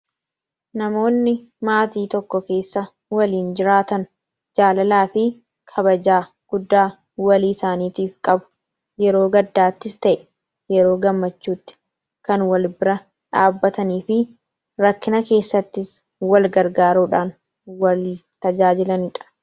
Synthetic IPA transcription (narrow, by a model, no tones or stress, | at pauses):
nɐmo̞ːnːɪ | maːt̪iːt̪ɔkːɔke̞ːsːɐ | wɐliːnd͡ʒɪɾaːt̪ɐn | d͡ʒaːlɐlaːfɪ | kʰɐbɐd͡ʒaː | ɡ̥ʊd̪ːaː | wɐliːsaːniːt̪iːfkʼɐbʊ̥ | jɛɾo̞ːɡɐd̪ːaːt̪ːɪst̪ɐʔɛ̥ | jɛɾo̞ːɡɐmːɐt͡ʃːuːt̪ːɪ̥ | kɐnwɐlbɪɾɐ | ᶑaːbːɐt̪ɐniːfɪ | ɾɐkːɪnɐke̞ːsːɐt̪ːɪs | wɐlɡɐɾɡaːɾuːᶑaːn | wɐliːt̪ɐd͡ʒaːd͡ʒɪlɐnɪᶑɐ̥